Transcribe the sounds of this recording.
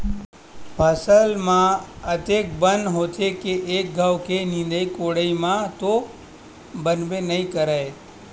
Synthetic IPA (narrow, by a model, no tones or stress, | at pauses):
pʰəsəlmãət̪ek̚bənɦot̪ʰekeʔːk̚ɡʱaʋkenɪ̃nd̪əikoɽəimãt̪o | bənʋenəɦĩkəɾae